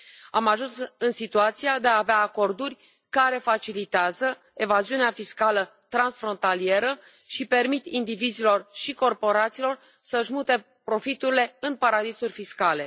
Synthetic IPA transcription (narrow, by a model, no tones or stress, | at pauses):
amaʒunsɨnsit̪uat̪siad̪e̞aːveaːko̞rd̪urʲ | kaɾe̞fat͡ʃilit̪eazə | e̞vaziuneafiskalə | t̪ɾansfɾo̞nt̪alie̞ɾə | ʃipe̞rmit̪ind̪ivizilo̞rʃiko̞rpo̞ɾat̪silo̞r | səʒmut̪e̞ | pɾo̞fit̪uɾile̞ɨnpaɾad̪isurʲfiskale̞